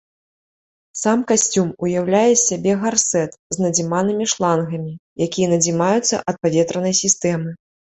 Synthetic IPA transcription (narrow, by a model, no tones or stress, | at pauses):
samkasʲt͡sʲumujawlʲajɛsʲabʲɛɣarsɛt̪znɐd͡zʲimanɨmʲiʂlˠanɣɐmʲijakʲijɐnɐd͡zʲimajut̪sːɐ̰ʔɐt̪̚pavʲɛt̪ɾɐnɐjsʲist̪ɛmɨ